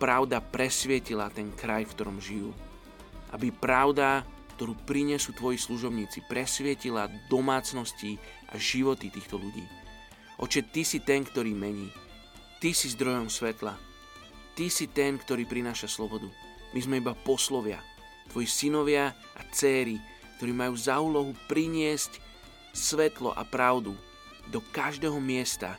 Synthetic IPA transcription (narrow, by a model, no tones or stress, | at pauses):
pɾaʊd̪apɾɛsʋɪɛcilat̪ɛnkɾajfkt̪ɔɾɔmʒijṵː | ʔa̰bipɾaʊd̪akt̪ɔɾuːpɾiɲɛsut̪ʋɔjisluʒɔbɲiːt͡sipɾɛsʋɪɛcilad̪ɔmaːt͡snɔsciʔa̰ʒiʋɔt̪it̪iːxt̪ɔʎuɟḭː | ʔɔ̰t͡ʃɛt̪isit̪ɛnkt̪ɔɾiːmɛɲiː | t̪isizd̪ɾɔjɔmsʋɛt̪la̰ | t̪isit̪ɛnkt̪ɔɾiːpɾinaːʃaslɔbɔd̪u | mʔizmɛibapɔslɔʋɪa̰ | t̪ʋɔjisinɔʋɪa | ʔat͡sɛːɾi | k̚t̪ɔɾiːmajuːzauːlɔɦupɾiɲɪɛsc | sʋɛt̪lɔ̰ʔa̰pɾaʊd̪u | d̪ɔkaʒd̪ɛːɦɔmɪɛst̪a̰